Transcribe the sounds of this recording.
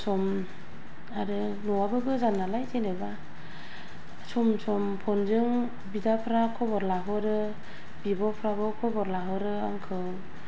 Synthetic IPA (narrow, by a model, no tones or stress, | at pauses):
sɔm | aɾɯ | nuwabɯɡɯzanːalajtʰeneba | sɔmsɔmpʰɔnzɯŋ | bidapʰɾakʰɔbɔɾlaɦɯɾɯ | bibɔpʰɾabɯkʰɔbɔɾlaɦɯɾɯa̰ŋkʰɯw